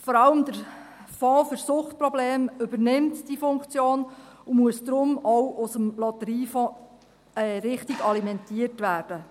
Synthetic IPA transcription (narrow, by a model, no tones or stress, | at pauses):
fɔɾɑləmd̥̪əɾ | fɔ̃ːfəɾsʊχt̚pɾɔbleːmʏbərnɪmtd̥ifʊŋkt͡sjoːnumuəsd̪ɾʊmɔwʔʊsəmlɔt̪əɾiːfɔ̃ː | ɛɾɪχtiɡ̥ɑlimɛntiərtʋæːrd̥ə